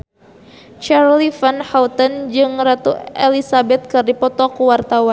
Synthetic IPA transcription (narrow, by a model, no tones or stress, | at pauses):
t͡ʃaɾlifanhaut̪ənd͡ʒɨŋrat̪ṵelisabɛt̪̚kɨrdipɔt̪ɔkuwart̪awan